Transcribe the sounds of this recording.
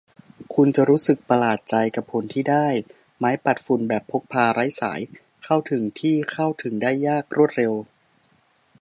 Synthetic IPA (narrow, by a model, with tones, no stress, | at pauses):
kʰu˧nt͡ɕa˨˩ɾuː˦˥sɯ˨˩k̚pa˧laː˨˩t̪̚t͡ɕa˧jka˨˩pʰːo˩˦nt̪ʰiː˥˩daː˥˩j | maː˦˥jpa˨˩t̪̚fu˨˩nbɛː˨˩pʰːo˦˥k̚pʰaː˧ɾa˦˥jsa̰ː˩˦j | kʰa˥˩wt̪ʰɯ˩˦ŋt̪ʰiː˥˩kʰa˥˩wt̪ʰɯ˩˦ŋdaː˥˩jːaː˥˩k̚ɾu˥˩ət̪̚ɾe˧w